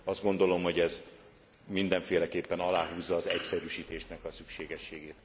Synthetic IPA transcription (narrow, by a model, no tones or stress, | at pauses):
ɒzd̪ɡo̞nd̪o̞lo̞mho̞ɟɛz | mind̪ɛɱfeːlɛkeːpːɛnɒlaːɦuːzːɒːzɛcsɛɾyʃiːt̪eːʃnɛkɒsykʃeːɡɛʃːeːɡeːt̪